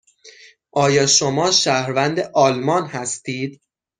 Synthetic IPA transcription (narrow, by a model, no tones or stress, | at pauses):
ʔɒːjɒːʃomɒːʃæhɾvænd̪eʔɒːlmɒːnhæst̪iːd̪̥